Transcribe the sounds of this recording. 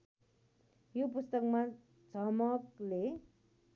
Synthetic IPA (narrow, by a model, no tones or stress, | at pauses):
jop̬ust̪ʌkma | t͡sʰʌmʌkle